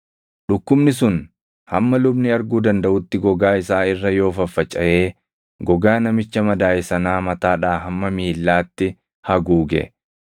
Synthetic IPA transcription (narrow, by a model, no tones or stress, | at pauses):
ᶑʊkːʊmnɪsʊn | hɐmːɐlʊbnɪɐɾɡuːd̪ɐnd̪ɐʔʊt̪ːɪɡɔɡaːɪsaːɪrːɐjo̞ːfɐfːɐt͡ʃʼːɐʔe̞ː | ɡɔɡaːnɐmɪt͡ʃːɐmɐd̪aːjɪsɐnaːmɐt̪aːᶑaːɦɐmːɐmiːlːaːt̪ːɪ | hɐɡuːɡɛ̰